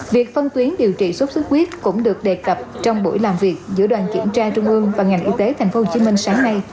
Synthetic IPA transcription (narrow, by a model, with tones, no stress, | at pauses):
vi˨˩ək̚fə˧nt̪wi˨˦ənɗi˨˩əwt͡ɕḭ˧˨swə˦˥t̚sɨ˦˥k̚xwi˦˥ət̚kʊ̰˧˥ŋ͡mɗɨ˨˩ək̚ɗe˨˩kə˨˩p̚t͡ɕɔ˧wŋ͡mɓo̰˧˩jlaː˨˩mvi˨˩ək̚zɨ̰˧˥ɗwa̰ː˧˨nkḭ˧˩əmt͡ɕaː˧t͡ɕʊ˧ŋ͡mʔɨ˧əŋvaː˨˩ŋa˨˩jŋ̟ʔi˧t̪e˨˦t̪ʰa˨˩j̟fo˨˦ho˧˩t͡ɕi˨˦mï˧ŋ̟saː˨˦ŋːa˧j